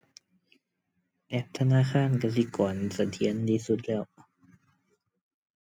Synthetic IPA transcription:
ʔɛ˧˩p̚t̪ʰa˧naː˧˥˨xʰaː˧˥˨nka˧˩s̬i˧˦kɔː˨˩nsa˧˩t̪ʰi˨˧˦ə˨nt̪ʰiː˧˩˨su˧˦t̪̚lɛː˧˥˩w

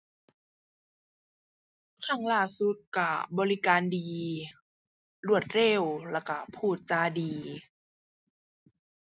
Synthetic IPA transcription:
t̪ʰa˧˥˩ŋlaː˧˥˩su˧˦t̪̚ka˧˩bɔː˧li˦˧kaː˧˨ndiː˨˧ | lu˧˩ət̪̚le˧˩˨wlɛː˧˩wka˧˩pʰuː˧˥˩t̪̚t͡ɕaː˧diː˨˧

